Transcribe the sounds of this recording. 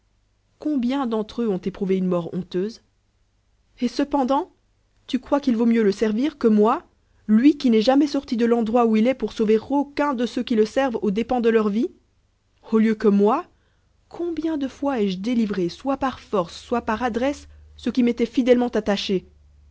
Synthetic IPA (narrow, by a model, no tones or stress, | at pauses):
kɔ̃bjɛ̃d̪ɑ̃t̪χøɔ̃t̪epχuveynmɔʁɔ̰̃t̪øːz | esəpɑ̃d̪ɑ̃ | t̪ykχwakilvomjøləsɛʁviʁkəmwa | lɥikʲinɛʒamɛsɔʁt̪id̪əlɑ̃d̪ʁwauilɛpuʁsoveʁokɛ̃d̪əsøkʲiləsɛʁvod̪epɑ̃d̪əlœʁvi | oljøkəmwa | kʰɔ̃bjɛ̃d̪əfwaɛʒd̪elivʁeswapaʁfɔʁsːwapaʁad̪ʁɛsːəkʲimɛt̪ɛfid̪ɛlmɑ̃t̪at̪aʃe